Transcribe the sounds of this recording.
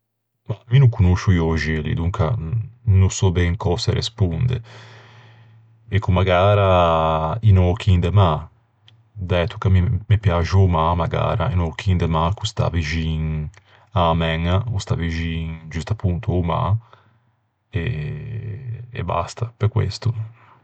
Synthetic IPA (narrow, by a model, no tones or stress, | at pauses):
maminuŋkunoʃujɔʒilḭd̪uŋkanusɔbɛŋkɔseɾḛspund̪ḛ | ekumaɡaːɾa | inɔk̟ʰind̪ema | d̪ɛt̪u̥kamimepjaʒuomamaɡa̰ːɾa̰inokʰind̪emakust̪a̰viʒiŋ | amɛŋaust̪a̰viʒiŋd͡ʒust̪apːunt̪uoma̰ | e | ḛba̰st̪apekwḛst̪u